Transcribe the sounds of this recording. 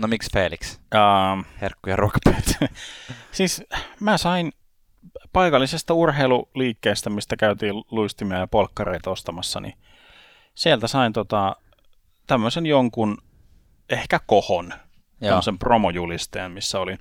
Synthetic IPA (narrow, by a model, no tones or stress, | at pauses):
nomiksfeːliksɑmherkːujɑruokɑ̥pø̥ːt̪æ | siːsmæsɑin | pɑikɑlːisest̪ɑurheiluliːkːeːst̪æmist̪ækæyt̪iːlluist̪imiæjɑpolkːɑreit̪ɑost̪ɑmɑsːɑ̰nḭ | sielt̪æsɑint̪ot̪ɑ | t̪æmːøsenjoŋkun | ehkækohon | tæmːəsempromojulist̪eːmmisːæolin